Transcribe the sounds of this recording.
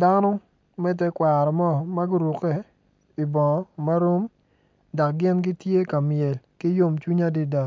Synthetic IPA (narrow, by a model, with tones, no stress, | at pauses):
da˦nɔ˦ | mɛ˦t̬ɛ˦kwa˨ɾɔ˨mɔ˦ma˦ɡɪ˦ɾu˨kɛ˦ | i˨bɔ˨ma˦ɾo˦m | da˨k̚ɡɪ˦nɡɪ˦tje˦ka˨mɪɛ˨lkɪ˦jo˦mt͡ʃu˦ɲa˦di˦da˨